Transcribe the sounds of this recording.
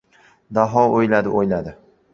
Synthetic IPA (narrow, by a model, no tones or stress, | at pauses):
d̪aɦɒojlad̪ɪʔojlad̪ɪ